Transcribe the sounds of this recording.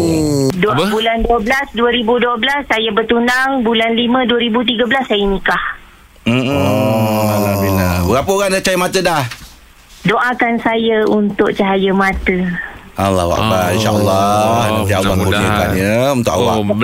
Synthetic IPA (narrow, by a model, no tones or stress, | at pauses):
dbulanduəblasduəɾibuduəblasːajəbərt̪undaŋbulanlimə̃duəɾibut̪̬iɡəbəlasːajəmĩkah | m̩ | alabinabəɾapəoɣaŋdat͡ʃajəmat̪ədah | doʔakansajəunt̪ʊk̚t͡ʃaɦajəmãt̪ə | alːa̰wa̰ʔbainʃa̰ʔəlːɔnad̪iabanbuiəkanɲəunt̪ʊkʔawa̰ʔ